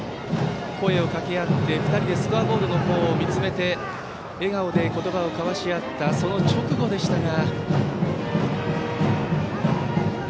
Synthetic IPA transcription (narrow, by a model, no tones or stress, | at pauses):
ko̞e̞o̞kakʲe̞at̪ːe̞ɸɯ̟t̪aɾʲid̪e̞sɨ̥kɯabo̞ːd̪o̞noho̞ːmʲit͡sɨme̞t̪e̞ː | ɡao̞d̪e̞ko̞t̪o̞bao̞kaβaɕiat̪ːaso̞no̞t͡ɕo̞kɯ̟ɡo̞d̪e̞ɕi̥t̪aɡa